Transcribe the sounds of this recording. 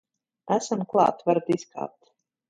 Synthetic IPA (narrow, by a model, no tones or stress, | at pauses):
æsamklˠa̰ːt̪vaɾd̪iska̰ːp̚t̪